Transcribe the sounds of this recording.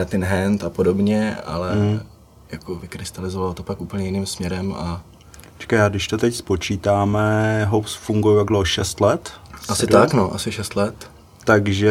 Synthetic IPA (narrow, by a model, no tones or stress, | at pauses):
at̪ɪnɦɛnt̪apodo̞bɲɛa̰lɛ | jakovɪkɾɪst̪alɪzovalot̪opakʔuːpl̩ɲɛjɪniːmsmɲɛɾɛma | t͡ʃɛ̥kajaːɡdɪʃt̪ot̪ɛcspo̞t͡ʃiːt̪aːmɛɦosfuŋɡujujaɡdloɦoʃɛst̪lɛt̪asɪt̪aknoʔa̰sɪʃɛst̪lɛt̪ː | aɡʒɛ